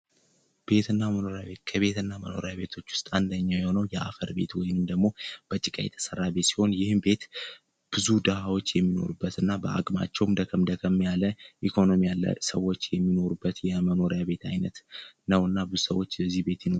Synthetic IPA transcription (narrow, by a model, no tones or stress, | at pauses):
b̥e̞t̪ɨnːaməno̞ɾjaβe̞t̪kʰəβe̞t̪ɨnːaməno̞̰ɾjaβe̞t̪ʰo̞t͡ʃːwʊst̪ʼand̪əɲːawjɛho̞nəwjɛʔa̰fəɾbe̞̰t̪wɔjnɨmd̪əɡmo̞b̥ət͡ʃʼɪkʼa̰jɛ̰t̪ʰə̥sərːabet̪si̥ho̞njɪhɨmbe̞t̪ | b̥ɨzud̪ahawo̞t͡ʃːjɛmːino̞̰ɾubːət̪ɨnːabəa̰kʼma̰t͡ʃːɛwmd̪əkʰəmd̪əkʰəmːijaləʔikʰo̞no̞mijalːə̰səwːo̞t͡ʃːjɛmːino̞ɾubːət̪jɛməno̞ɾjaβe̞t̪ʰa̰jnət̪nəwɨnːabɨzusəwːo̞t͡ʃːbəzːihbe̞t̪jino